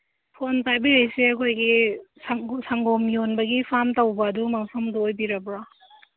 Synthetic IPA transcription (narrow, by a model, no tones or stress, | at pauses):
pʰontajbɐɾejseɐkʰojɡisŋsaŋɡomjonbɐɡipʰamtɐwbɐːdumɐŋpʰɐmdɔːjbiɾɐbɾa